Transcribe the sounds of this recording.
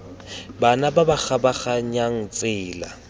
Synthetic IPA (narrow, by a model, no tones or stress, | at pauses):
banababak͡xabaχaɲaŋ̩t͡sʼɪːla̰